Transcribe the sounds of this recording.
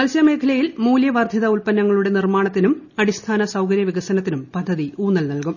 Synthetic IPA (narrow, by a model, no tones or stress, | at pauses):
mɐlsjɐme̞ːkʰɐlɐjilmuːljɐʋaːrd̪ʱjiðɐulpɐnːɐŋːɐɭuɽe̞nirmaːɳɐt̪ːinumɐɽist̪ʰaːnɐsɐwkɐɾjɐʋiɣɐsɐnɐt̪̬ːinumpɐd̪ʱːɐðiuːnːɐlnɐlkum